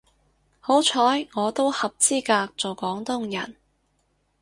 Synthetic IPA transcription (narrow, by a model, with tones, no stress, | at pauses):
ho˨˥wt͡ʃʰɔː˨˥jŋɔː˨˧t̪o˥whɐ˨p̚t͡siː˥kaː˧k̚t͡so˨wkɔː˨˥ŋt̪ʊ˥ŋjɐ̰˨˩n